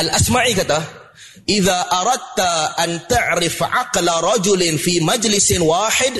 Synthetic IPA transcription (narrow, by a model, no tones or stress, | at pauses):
ʔalʔasmaʕiːkat̪a | ʔɪðaːʔɑɾˤɑd̪̚t̪aʔant̪aʕɾɪfʕɑqlɾˤɑd͡ʒʊlfiːmad͡ʒlɪswaːħɪd̪